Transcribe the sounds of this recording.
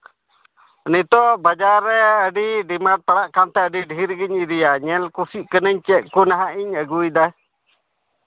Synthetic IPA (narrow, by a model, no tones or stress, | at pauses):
nit̪ɔʔbad͡ʒaɾɛəɖiɖimaʈ̚paɽaʔkant̪ɛəɖiɖɦiɾɡiɲiɾijaɲɛlkusiʔkənəɲt͡ʃɛʔkunaɦaʔiɲəɡujd̪a